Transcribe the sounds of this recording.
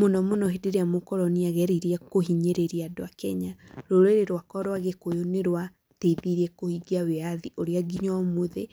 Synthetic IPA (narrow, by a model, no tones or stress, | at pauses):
monɔmonɔɦedeɾeamokɔɾɔniaɣɛɾiɾɛkoɦiɲeɾeɾiadoakɛɲaɾoɾeɾeɾwakɔɾwaɣekojoneɾwa | teiðiɾiɛkohiɡiaweaðiʔoɾeaɡiɲɔmoðe